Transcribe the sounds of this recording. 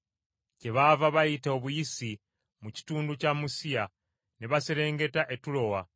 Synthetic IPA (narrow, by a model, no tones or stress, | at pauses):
ce̞βavaβajiteoβujisi | muci̥tuːnducamusija | neβaseɾe̞ːŋɡe̞taʔe̞tulo̞wa